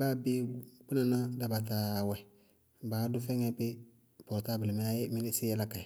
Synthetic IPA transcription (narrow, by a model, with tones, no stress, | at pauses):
ba˦be˦k͡pu˦na˨na˦da˨ba˨ta˨wɛ˨ | baː˨˦dʊ˦fɛ˦ŋɛ˦pɪ˦ | pɔ˨ɾta˦bɪ˨lɪ˨m˦a˦je˦mi˦ni˦sɪ˦jɛ˦la˦ka˨